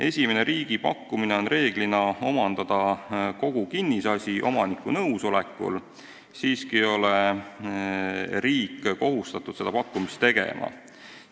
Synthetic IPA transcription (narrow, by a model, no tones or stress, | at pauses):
e̞sʲime̞ne̞ɾiːɡ̥ipɑ̰kːˑumine̞o̞nre̞ːɡ̥linɑo̞mɑnd̪ɑd̪̥ɑko̞ɡ̥ukinːisɑsʲiʔo̞̰mɑnikːˑunɤuwso̞le̞kːˑṵl | siːskijo̞le | ɾiːkːko̞ɦust̪ɑt̪ˑud̪̥se̞d̪̥ɑpɑkːˑumist̪e̞ɡ̥ḛmʔɑ̰